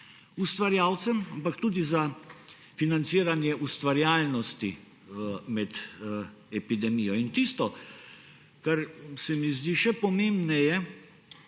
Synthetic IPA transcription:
ust̪ʋaɾjaːwt̪sɛmampakt̪uːd̪iza | finant̪siːɾanjɛʔust̪ʋaɾjaːlnɔst̪i | mɛd̪ | ɛpid̪ɛmiːjɔint̪ist̪ɔ | kaɾsɛmizd̪iʃɛpɔmembnɛjɛ

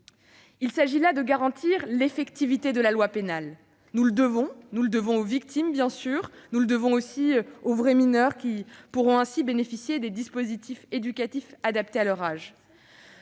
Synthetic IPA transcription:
ilsaʒilad̪əɡaʁɑ̃t̪iʁlefɛkt̪ivit̪ed̪əlalwapenal | nuləd̪əvɔ̃nuləd̪əvɔ̃ovik̚t̪ʰimbjɛ̃syːʁnuləd̪əvɔ̃osiovʁɛminœʁkʲipuʁɔ̃ɛ̃sibenefisjed̪ed̪ispozit̪ʰifed̪ykʲat̪ifad̪ap̚t̪ealœʁaʒ

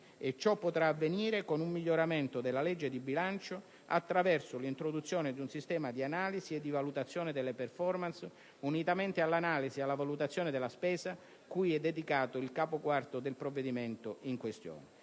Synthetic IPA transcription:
et͡ʃːɔpːot̪ɾaːvːeniːɾekonumːiʎːoɾament̪od̪elːaled͡ʒːed̪ibilant͡ʃo | at̪ːɾavɛrsʊlint̪ɾod̪ut̪sːjoːnɪd̪iunsist̪ɛːmad̪ianaːlisied̪ːivalut̪at̪sːjoːnɪd̪elːeperfɔrmans | unit̪ament̪ealːanaːlisialːavalut̪at̪sːjoːned̪elːaspɛːza | kujɛd̪ːed̪ikaːt̪ʊilkaːpokwart̪ʊd̪elpɾovːed̪iment̪ʊiŋkwest̪jo̰ːne

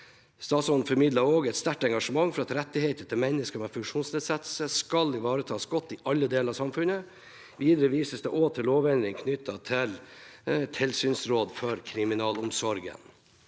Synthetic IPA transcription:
st̪ɑːsɔnn̩fɔɾmɪd̪lɑɾoːɡɛt̪st̪æʈɛŋɡɑʂəmɑŋfɔɾɑt̪ɾɛt̪ːɪheɪt̪ət̪ʰɪlmɛnːəskəmɛfʉkʂuːnsneːd̪sɛt̪əl̩səskɑlɪʋɑːɾət̪ʰɑːsɡɔt̪ːɪʔɑlːəd̪eːləɾɑsɑmfʉnə | ʋiːd̪əɾəʋiːsəsd̪ɛʔoːt̪ʰɪlloːʋɛnɾɪŋkʰnʏt̪ʰːɑt̪ʰɪl | t̪ʰɪlsyːnsɾoːd̪fɔɾkʰɾɪmɪnɑːlʊmsɔɾɡə̰n

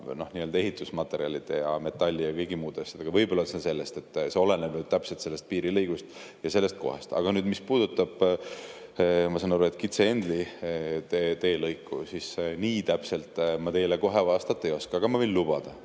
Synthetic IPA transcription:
no̞hniːø̞ld̪ɑe̞ɦit̪ːˑusmɑt̪ːˑe̞ɾiɑlʲid̪̥e̞jɑme̞t̪ːˑɑlʲːijɑviɡimuːd̪esed̪eɡɑvɤjbo̞lːɑlsense̞lːe̞st̪e̞t̪ːˑse̞o̞le̞nebnyd̪̚t̪æpselt̪se̞lːe̞st̪̚piːɾilejɡ̥ust̪ | jɑse̞lːest̪̚ko̞̰hest̪ɑ̰ɡ̥ɑnyːd̪mispuːd̪ut̪ːˑɑb̥ | mɑsɑnɑɾuːet̪kit̪seend̪lit̪et̪e̞ːlɤjkːusisniːt̪æpselt̪ˑmɑt̪e̞jleko̞ɦe̞vɑːst̪ɑt̪ːˑejo̞skɑɑɡ̥ɑmɑvejnlub̥ɑd̪̥ɑ

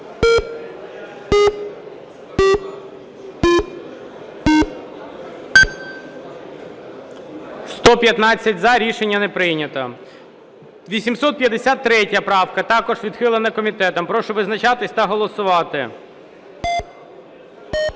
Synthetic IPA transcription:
st̪ɔpʲjɐt̪nɑt͡sʲːɐtʲzɐɾʲiʃenʲːɐnɛpɾɪjnʲɐt̪ɐ | ʋʲisʲimsɔt̪̚pjɐd̪esʲat̪ːɾɛtʲjɐpɾɑwkɐt̪ɑkɔʒʋʲid̪xɪlˠɪnɐkɔmʲit̪ɛt̪ɔmpɾɔʃɔʋɪznɐt͡ʃɑt̪ɪsʲt̪ɐɦɔlˠɔsʊʋɑt̪ɪ

